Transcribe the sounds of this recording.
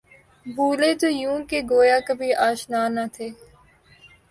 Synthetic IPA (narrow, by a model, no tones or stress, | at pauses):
bʱuːleːt̪oːjũːkeɡoːjaːkəbʱiːʔaːʃnaːnaːt̪ʰeː